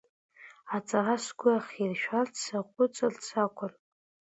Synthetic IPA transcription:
at͡sʼarasɡʷʊaχirʃᶣart͡ssaqʷʼʊt͡sʼɨrt͡sʰakʷʰʼʊr

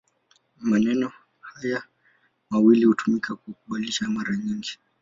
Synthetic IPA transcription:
manɛnɔ | haja | mawilihutumikakukuɓaliʃamaɾaɲiŋɡi

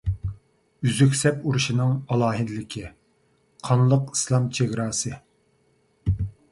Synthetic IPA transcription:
yzykʲsɛpuɾuʃinɨŋɑlˠɑːɦɪd̪ɪlɪkʲʰi | qʰɑnlˠəqi̥slˠɑmt͡ʃʰeɡʲɾɑːsɨ

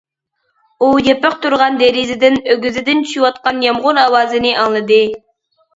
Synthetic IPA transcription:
ujepɪq̚t̪uɾʁɑnd̪eɾizɪd̪ɪnøɡʲyzɪd̪ɪnt͡ʃʰy̥ʃiwɑt̪̚qɑnjɑmʁʊnɑwɑːzɨnɨʔɑŋlˠɨd̪ɨ

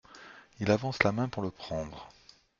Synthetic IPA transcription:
ilavɑ̃slamɛ̃puʁləpχɑ̃d̪ʁə

